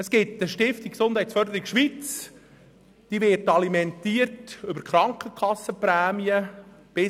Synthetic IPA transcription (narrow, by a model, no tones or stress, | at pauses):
əskɪtəʃtɪftikksond̥hæɪtt͡ssfœɾd̪əɾikʃʋit͡s | d̥iːʋɪtɑlimɛntiːərtʏbəɾkχɾɑŋkχəkʰɑsːəpɾæːmiəb̥ɪ